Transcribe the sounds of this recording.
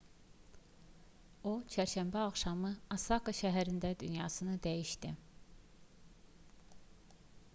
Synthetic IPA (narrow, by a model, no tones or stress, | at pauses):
ot͡ʃʰæɾʃæmbæɑχʃɑmɯɑsɑkaʃæɦæɾind̪æd̪ynjɑːsɯnɯd̪æjiʃt̪i